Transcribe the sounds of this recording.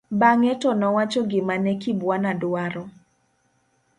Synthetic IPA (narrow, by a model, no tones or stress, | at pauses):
baŋɛtɔnɔwat͡ʃɔɡɪmanɛkibwanadwaɾɔ